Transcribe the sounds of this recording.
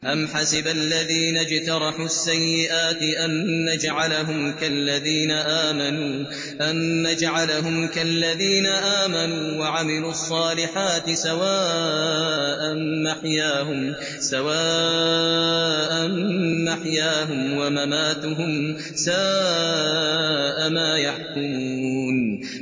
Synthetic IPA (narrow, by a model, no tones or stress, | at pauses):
ʔamħasɪbalːaðiːnad͡ʒt̪ɑɾˤɑħuːasːajːɪʔaːt̪ɪʔanːad͡ʒʕalaɦʊmkalːaðiːnaʔaːmanuː | ʔanːad͡ʒʕalaɦʊmkalːaðiːnaʔaːmanuːwaʕamɪluːɑsˤːɑːlɪħaːt̪ɪsawaː | ʔanmaħjaːɦʊm | sawaː | ʔanːaħjaːɦʊmwamamaːt̪ʊɦʊm | saː | ʔamaːjaħkʊmuːn